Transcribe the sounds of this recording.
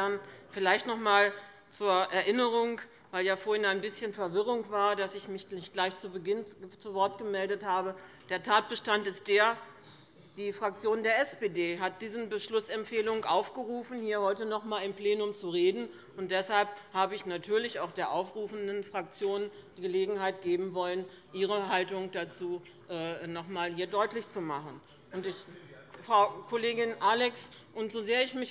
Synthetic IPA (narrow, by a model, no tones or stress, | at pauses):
nfɪlaɪçtnɔχmaːl | t͡suːɐʔɛɐʔɪnəʁ̞ʊŋ | vaɪljaːfoːɐhɪnaɪnbɪsçənfɛɐvɪʁʊŋkv̥aːɐdasɪçmɪçɪçɡ̥laɪçt͡subəɡɪnt͡suvɔɐtɡ̥əmɛldəthaːbə | d̥eːɐtʰaːt̚b̥əʃtantɪst̚d̥eːɐ | d̥iːfʁ̥ak̚t͡sjoːndeːɐʔɛsb̥eːdeːɦat̚d̥iːzən̩bəʃlʊsɛmfeːlʊŋʔaʊfɡ̥əʁuːfn̩hiːɐhɔʏtənɔχmaːlɪmpl̥eːnʊmt͡suʁeːdn̩ | ʊnt̚d̥ɛshalphaːbəɪçnatʰyːɐlɪçaʊxd̥eːɐʔaʊfʁ̥uːfn̩dənfʁ̥ak̚t͡sjoːn | d̥iːɡəleːɡŋ̩haɪt̚ɡ̥eːbm̩vɔlənʔiːʁ̞əɦaltʊŋd̥at͡suː | ʔɛːnɔχmaːlhiːɐdɔʏtlɪçt͡sumaχən | ʔʊntɪç | fʁ̥aʊkʰoleːɡɪnʔaːlɛks | ʔʊntz̥ozeːɐɪçmɪç